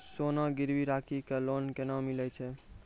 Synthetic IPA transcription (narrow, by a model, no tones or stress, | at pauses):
sonaɡɪɾʋiɾakʰikelonkenãmilɛt͡ʃʰɛ